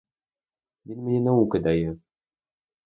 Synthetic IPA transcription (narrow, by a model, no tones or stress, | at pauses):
minmɘ̆nʲɘ̆nɘukɘ̆d̪æjɘ